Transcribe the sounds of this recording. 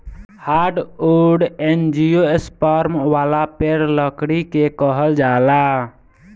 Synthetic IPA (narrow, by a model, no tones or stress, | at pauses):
haɾɖoɖend͡ʒijoespaɾmʋalapeɾləkɽikekəɦəld͡ʒala